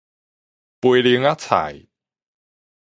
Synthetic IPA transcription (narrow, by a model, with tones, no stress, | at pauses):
pue˧li˨˧˦ŋa˦˥t͡sʰa̰˨˩˦j